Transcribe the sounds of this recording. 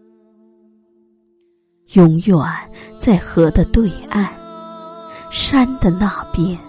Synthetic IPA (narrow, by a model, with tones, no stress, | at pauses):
jʊ˧˥ŋjwa˨˩˦nt͡sa˥˩ɪxɤ˧˥d̪ə˧t̪we˥˧ɪa˥˩˧n | ʂa˥nd̪ə˨na˥˩pjɛ˥n